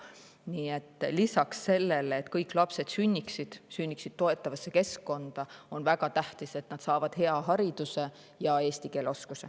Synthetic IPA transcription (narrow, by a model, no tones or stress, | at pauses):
niːet̪ːˑlisɑksːe̞lːe̞leːt̪kɤjkːˑlɑpse̞d̪̥synʲːiksid̪̥synʲːiksid̥̪̚t̪o̞e̞t̪ːˑɑvɑsːe̞ke̞skkːo̞nd̪̥ɑo̞nvæɡɑt̪æht̪ise̞t̪nɑd̪sɑːvɑd̪̥ɦe̞ɑɦɑɾid̪̥use̞ | jɑe̞ːst̪ike̞ːlo̞skuse̞̰